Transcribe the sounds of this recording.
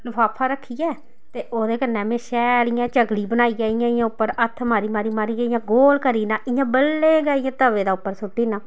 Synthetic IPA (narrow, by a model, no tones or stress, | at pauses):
lʊfʰaːpʰaːɾəkʰːiːɛː | t̪eːʔoːd̪eːkənɛːmẽːʃɛːlijãːt͡ʃəɡɽiːbənaːiːɡãːɪjãːɪjãːʊpːəɾət̪ʰːmaːɾiːmaːɾiːmaːɾiːaːɪjãːɡoːlkəɾiːnãːʔɪjãːbəlːeːɡaːɪjãːt̪əʋeːd̪aːʊpːəɾsʊʈːiːnãː